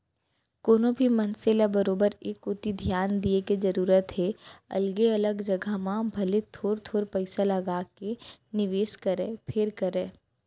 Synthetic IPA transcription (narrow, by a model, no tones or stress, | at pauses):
koːnõbʱimɐnselabɐɾoːbəɾeːkʊt̪id̪ʱijaːnd̪iekizɐɾuːɾət̪ɦɛɐ̰lɡeɐləɡd͡ʒɐɡʱamãbʱɐlet̪ʰoːɾt̪ʰoːɾpɐɪsalɐɡaːkenɪʋeːskɐɾẽpʰeːɾkɐɾẽː